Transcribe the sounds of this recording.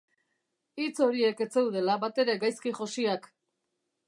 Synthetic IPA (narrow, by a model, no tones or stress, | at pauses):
it͡so̞ɾie̞ke̞t͡se̞wðe̞laβat̪e̞ɾe̞ɡajskiʝo̞siak